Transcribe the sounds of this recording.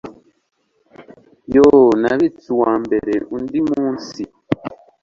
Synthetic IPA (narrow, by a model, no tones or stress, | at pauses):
jonaβit͡suwaːmbe̞ɾeʔundimuuːnsi